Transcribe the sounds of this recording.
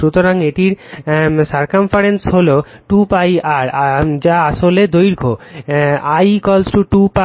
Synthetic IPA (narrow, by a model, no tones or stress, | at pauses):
ut̪oɾaŋeʈiɾsaɾkamfaɾensɦoloʈupajaɾad͡ʑaaʃoled̪ojɾkʰo | ajkɔlsʈuʈupa